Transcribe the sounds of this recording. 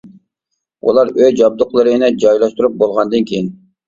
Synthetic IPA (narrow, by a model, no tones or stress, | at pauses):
ṵlˠɑɾøjd͡ʒɑb̚d̪ʊqlˠɨɾɨnɪd͡ʒɑjlˠɑʃt̪uɾup̚bolˠʁɑnd̪ɨnkʲʰejin